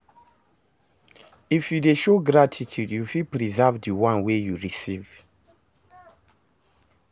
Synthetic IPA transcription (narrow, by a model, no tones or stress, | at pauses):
ifjudeʃoɡɾatʰitʰjudjufilpɹizavdiwãnwejuɹisiv